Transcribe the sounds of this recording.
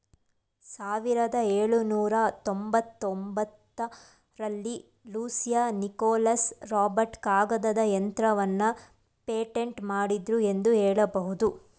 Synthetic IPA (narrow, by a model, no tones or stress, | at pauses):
saːʋiɾɐd̪ɐeːɭunuːɾɐt̪ombɐt̪ːombɐt̪ːɐ | ɾɐlːi | luːsijanikɔːlɐsɾaːbɐɾʈkaːɡɐd̪ɐd̪ɐjɐnt̪ɾɐʋɐnːɐ | peːʈeɳʈmaːɽid̪ɾue̞nd̪uɦɛːɭɐbɐɦud̪u